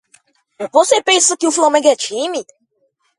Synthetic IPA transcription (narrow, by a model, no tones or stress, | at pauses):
vosepẽsɐkɪʊflamẽɡɛt͡ʃĩmɪ